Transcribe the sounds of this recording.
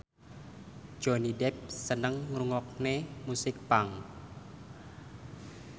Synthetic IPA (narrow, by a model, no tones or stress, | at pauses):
d͡ʒ̥o̤nidɛp̚sənəŋːɾuŋɔk̚nemusɪk̚paŋ